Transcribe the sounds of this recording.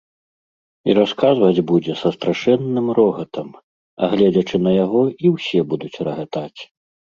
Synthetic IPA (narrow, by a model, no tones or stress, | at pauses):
iɾaskazvɐd͡zʲbud͡zʲɛsɐst̪ɾaʂɛnːɨmrɔɣɐt̪ʰɐm | ɐ̰ɣlʲɛd͡zʲɐt͡ʂɨnɐjaɣɔiwsʲɛbud̪ut͡sʲrɐɣat̪at͡sʲ